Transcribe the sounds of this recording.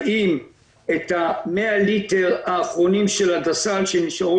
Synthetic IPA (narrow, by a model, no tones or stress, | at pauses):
ʔim | e̞thamealite̞ʁaːχʁo̞nimʃe̞ladasalʃeniʃaʁo